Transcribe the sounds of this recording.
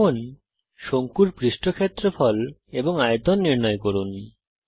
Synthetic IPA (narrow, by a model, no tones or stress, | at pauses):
on | ʃoŋkuɾpɾiʃʈokʰet̪ːɾofɔleboŋajd̪onːiɾnɔekoɾunːi